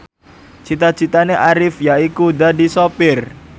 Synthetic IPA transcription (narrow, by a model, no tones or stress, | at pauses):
t͡ʃit̪ḁd͡ʒi̤t̪aneʔaɾɪfjaikudadisopɪr